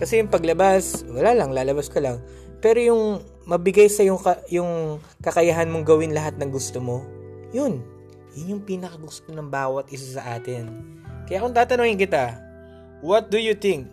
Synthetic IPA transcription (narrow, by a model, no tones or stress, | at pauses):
kɐsɛjʊŋpɐɡlɐbaswɐlaːlɐŋlaːlɐbaskɐlɐŋ | pɛːɾo̞jʊŋ | mɐbɪɡajsɐjʊŋkɐjʊŋ | kɐkɐjaɦɐnmoŋɡɐwɪnlɐɦat̪̚nɐŋɡʊst̪omo̞jʊn | jʊnjʊŋpiːnɐkɐɡʊst̪o̞nɐŋbaːwɐt̪̚ʔɪsasɐʔaːt̪ɪn | kɐjaʔkont̪aːt̪ɐnoːŋɪnkɪt̪a | wɐt̪̚d̪ʊjʊt̪ɪ̃ŋk̚